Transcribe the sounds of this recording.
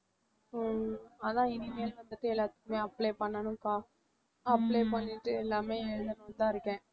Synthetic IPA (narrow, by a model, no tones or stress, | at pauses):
ɐðãːɪnimeːlʋɐnd̪ɐʈ̪ːɯɛlːaːt̪ɯ̥kːɯmeːɐpːleːpɐɳːɐnʊ̃kaː | ɐpːleːpɐɳːɪʈːɯɛlːaːmeːɛɻɯðɐnɐnt̪ãːɪɾɯkːɛ̃ː